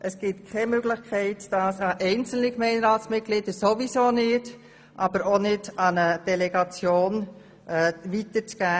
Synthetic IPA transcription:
ʔəsɡ̥ɪtkʰɛmøɡlɪχkʰɛɪtd̥ɑːsɑʔɛɪnt͡sl̩nikmɛɪnɾɑːtsmɪt̚ɡ̥liːdəsovisoːnɪd | ʔɑːbəɾonɪdɑnəd̥ɛlɛɡɑt͡sjoːn | ɛːʋitəɾt͡sɡ̥æː

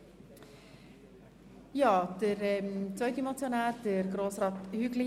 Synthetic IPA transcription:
jɑːd̥əɾɛmt͡sœʏd̪əmɑt͡sjonæːɾd̥əɾɡɾoːsɾɑːt̪hʏɡlɪ

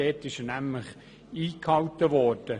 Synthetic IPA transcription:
ɛːt̪ɪʃnæmləχ | iːkhɑwt̪əʋɔːrd̥ə

